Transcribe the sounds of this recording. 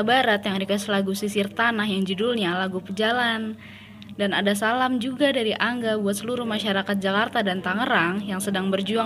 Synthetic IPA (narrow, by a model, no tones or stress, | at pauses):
baɾat̪jaŋdikaslaɡusisirt̪anahjaŋd͡ʒudulɲalaɡupəd͡ʒalan | danadasalamd͡ʒuɡadaɾiʔaŋɡabuat̪̚səluɾuhmaʃaɾakat̪̚d͡ʒakart̪adant̪aŋəɾaŋjaŋsədaŋbərd͡ʒua